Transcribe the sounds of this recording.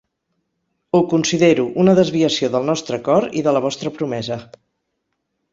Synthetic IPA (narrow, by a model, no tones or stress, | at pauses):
ukunsiðeɾuʔunəðəzβiəsioðəlˠnɔst̪ɾəkɔɾḭðələβ̞ɔst̪ɾəpɾumɛzə